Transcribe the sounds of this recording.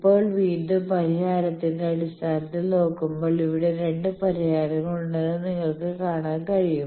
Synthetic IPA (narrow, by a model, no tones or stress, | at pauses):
ipːo̞ːɭʋiːd̪ɨpɐɾiɦaːɾɐt̪ːind̪eɐɽist̪ʰaːnɐt̪ːino̞ːkːumbo̞ːɭiʋiɽe̞ɾe̞ɳɖɨpɐɾiɦaːɾɐŋɐɭuɳɖenːɨniŋːɐɭkɨkaːɳaːnkɐɻijum